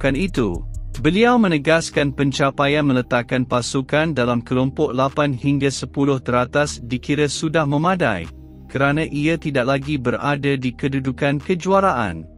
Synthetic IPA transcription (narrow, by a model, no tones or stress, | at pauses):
kanit̪ṵbəliawmə̃nəɡaskanpəɲt͡ʃapajanmə̃lət̪akːanpasukandalamkəlɔmpɔʔlapanhiŋɡasəpulʊht̪əɾat̪asdikiɾəsudahmə̃mãda̰j | kəɾanãʔiət̪idaʔ̚laɡibəɾa̰dədikədudukankəd͡ʒuaɾaʔa̰n